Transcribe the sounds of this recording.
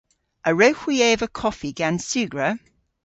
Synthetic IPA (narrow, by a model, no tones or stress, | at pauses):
ʔəɹəʊxwieːvəkʰɒfiɡ̥ãnsʉːɡɹə